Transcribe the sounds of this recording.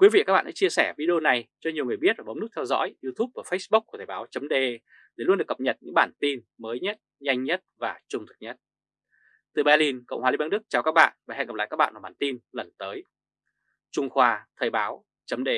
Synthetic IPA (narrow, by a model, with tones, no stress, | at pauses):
kwi˨˦vḭ˧˨ka˦˥k̚ɓa̰ː˧˨ʔst͡ɕi˧əsɛː˧˩vi˧ɗi˧o˧na˨˩jt͡ɕɔ˧ɲi˨˩əwŋɨ˨˩əjɓi˦˥t̚vaː˨˩ɓwn̚˦˥t̪ʰwzɔ̰˧˥jʔi˧t̪ʰu˦˥p̚vaː˨˩fə˦˥jsɓʊ˦˥k̚ku˧˩t̪ʰəː˨˩ɓaː˨˦wt͡ɕə˨˦mɗe˧ | ɗe˧˨˩lnɗɨ˨˩əkə˨˩p̚ɲə˨˩t̚ɲɨ̰˧˥ŋɓaː˧˩nt̪i˧n | məː˨˦jɲə˦˥t̚ɲa˧jŋ̟ɲə˦˥t̚vaː˨˩t͡ɕʊ˧ŋ͡mt̪ʰɨ̥˨˩k̚ɲə˦˥t̚ | t̪ɨ˨˩ɓɛ˧li˧nkə̰˧˨wŋ͡mhaː˨˧˩i˨˧˦ɓaː˧˦ɗɨ˦˥k̚t͡ɕaː˨˩wkaː˦˥k̚ɓa̰ː˧˨nvaː˨˩ɛ̰˧˨ŋə˨˩pla̰ː˧˨kaː˦˥k̚ɓa̰ː˧˨nvaː˨˩ɓaː˨˩nt̪i˧nlə˨˩nt̪əː˨˦j | t͡ɕʊ˧ŋ͡mxwaː˧t̪ʰəː˨˩jɓaː˨˦w | t͡ɕə˨˦mɗe˧